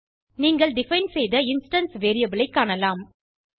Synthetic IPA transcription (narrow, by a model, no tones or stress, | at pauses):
niːŋɡɐɭɖɪfɐɪnsɛjðɐɪnsʈɐnsʋeːɾɪjɐbɪlɐɪkːaːɳɐlaːm